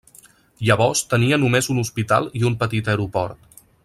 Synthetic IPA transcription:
ʎəβ̞ɔrst̪əniənumezunuspit̪a̰lˠiumpət̪it̪əɾupɔɾt̪

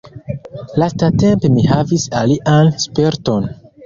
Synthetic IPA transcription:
lastate̞mpe̞mihavisaliʔanspe̞ɾto̞n

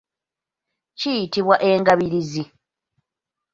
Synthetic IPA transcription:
cijitiβwaʔe̞ːŋɡaβiɾizi

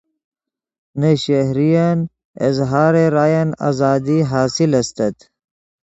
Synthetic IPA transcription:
neɕeɦɾijan | ɪ̰zɦaːɾeɾaːjana̰ːzaːd̪iɦaːsilɐst̪ɐt̪

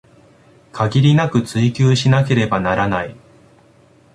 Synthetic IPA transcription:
kʰaɡʲiɾʲinakɯ̟t͡sɨikʲɨːɕinake̞ɾe̞banaɾanai

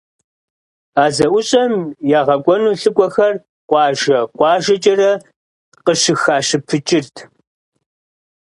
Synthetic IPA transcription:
aːzɐʔʷʊɕʼɐmjaːʁɐkʷʼɔnuːɬɨkʷʼɔxɐr | qʷɑːʒɐqʷɑːʒɐt͡ʃʼɐrɐ | qəʂɨxaːɕɨpʰɨt͡ʃʼɪrtʰ

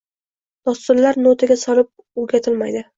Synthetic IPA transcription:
d̪̥ɒst̪ʊɾlaɾnot̪ʰaɡʲasɒlɪp̚ | ɵɾɡʲat̪ʰɪlmajd̪ɪ

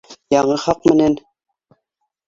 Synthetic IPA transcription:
jɑɴɤχɑqmɘ̆næn

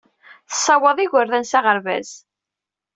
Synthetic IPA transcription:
θə̥sˤːɑwəðˤiʝəɾðænsaʁəɾvæ̰z̥

